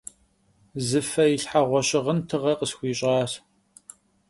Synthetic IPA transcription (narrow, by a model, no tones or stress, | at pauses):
zɨfɐjiɬħaʁʷɔɕʼɪʁəntʰɨʁɐqʼəsxʷiːɕʼɑːs